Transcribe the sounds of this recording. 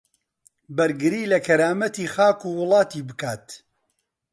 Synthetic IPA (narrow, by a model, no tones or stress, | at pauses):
bɐɾɡɨɾiːlɐkʰɐɾaːmɐt̪iːxaːkuːwʊlˠɑːt̪iːbɨkaːt̪